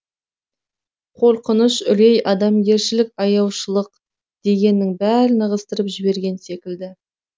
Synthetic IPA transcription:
qʰo̞ɾqənəʃʏlejʔɑd̪ɑmɡʲe̞ɾʃɪlɪkʲɑjɑwʃəlˠəq̚ | d̪̥e̞ɡʲe̞nːɪŋbæɾɪnəʁəst̪əɾəpʒɪbe̞ɾɡʲe̞nse̞kʲɪld̪ɪ

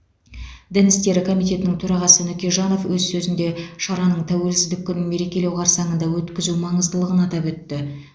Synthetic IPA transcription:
d̪ænɪst̪e̞ɾɪkʰo̞mijt̪̬e̞t̪ɪnɪŋt̪ʰɵɾɑʁɑsənʏkʲeʒɑno̞fwɵzsɵzɪnd̪e̞ʃɑɾɑnəɴt̪ʰæwe̞lsɪzd̪ɪkʲːʏnɪnme̞ɾe̞kʲe̞le̞wqʰɑɾsɑɴənd̪ɑwɵt̪kʲɪzumɑɴəzd̪əlˠəʁənɑt̪ɑpwɵt̪ːɪ

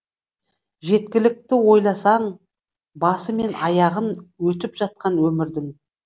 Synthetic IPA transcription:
ʒe̞t̪̚kʲɪlɪk̚t̪ɪwo̞jlˠɑsɑɴ | bɑsəme̞nɑjɑʁənwɵt̪ɪpʒɑt̪̚qɑnwɵmɪɾd̪ɪŋ

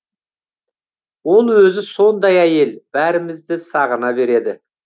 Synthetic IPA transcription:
wo̞lˠwɵzɪso̞nd̪ɑjæje̞lb̥æɾɪmɪzd̪ɪsɑʁənɑbe̞ɾe̞d̪ɪ

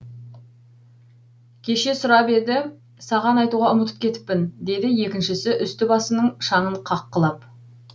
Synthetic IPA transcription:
kʲʰe̞ʃe̞sʊɾɑpe̞d̪ɪ | sɑʁɑnɑjt̪uʁɑʊmət̪ə̥p̚kʲʰe̞t̪ɪ̥p̚ːɪnd̪e̞d̪ɪje̞kʲɪnʃɪsɪʔʏst̪ɪbɑsənəɴʃɑɴəɴqʰɑqːəlˠɑp̚

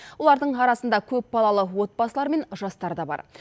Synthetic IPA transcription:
wo̞lˠɑɾd̪əɴɑɾɑsənd̪ɑkʲʰɵp̚bɑlˠɑlˠəwo̞t̪̚bɑsəlˠɑɾme̞nʒɑst̪ɑɾd̪ɑbɑ̰ɾ

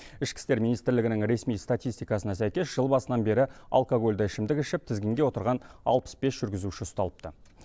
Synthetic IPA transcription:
ɪʃkʲɪ̥st̪e̞ɾmʲijnijst̪ɪɾlɪɡʲɪnɪŋɾe̞smijst̪at̪ʲijst̪ijkɑsənɑsæjkʲe̞sʒ̥əlˠbɑsənɑnbe̞ɾɪa̰lˠkoɡo̞lʲd̪ɑɪʃɪmd̪ɪkɪʃɪp̚t̪ʰɪzɡʲɪŋɡʲe̞wo̞t̪əɾʁɑnɑ̰lˠpə̥sb̥e̞sʒ̥ʏɾɡʲɪzuʃɪʊst̪ɑlˠəp̚t̪ə̰

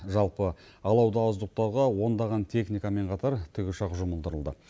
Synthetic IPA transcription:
ʒɑlˠpəɑlˠɑwd̪ɑɑwəzt̪uq̚t̪ɑwʁɑwo̞nd̪ɑʁɑnt̪ʰe̞χnijkame̞ɴqʰɑt̪ɑɾt̪ʰʏɡʲɪʃɑqʒʊməlˠd̪əɾəlˠd̪ə

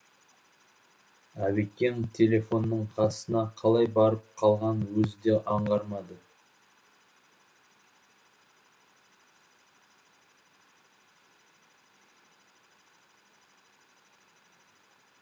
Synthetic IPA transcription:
æβekʲːe̞nt̪ʲʰe̞le̞fo̞nːəɴqʰɑsənɑqʰɑlˠɑjbɑɾəp̚qʰɑlˠʁɑnwɵzɪd̪eʔɑɴʁɑɾmɑd̪ə

